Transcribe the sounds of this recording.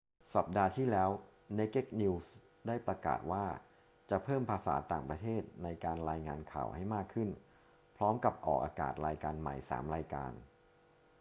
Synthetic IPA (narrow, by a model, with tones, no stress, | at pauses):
sa˨˩p̚daː˧t̪ʰiː˥˩lɛː˦˥wne˦˥kːe˥˩k̚ni˧ws | daː˥˩jpɾa˧ka̰ː˨˩t̪̚waː˥˩ | t͡ɕa˨˩pʰɤː˥˩mpʰaː˧sa̰ː˩˦t̪aː˨˩ŋpɾa˧t̪ʰeː˥˩t̪̚na˧jkaː˧nɾaː˧jŋaː˧nkʰa̰ː˨˩wha˥˩jmaː˥˩kʰːɯ˥˩n | pʰɾɔː˦˥mka˨˩p̚ʔɔ̰ː˨˩k̚ʔaː˧ka̰ː˨˩t̪̚ɾaː˧jkaː˧nma̰˨˩jsa̰ː˩˦mɾaː˧jka̰ː˧n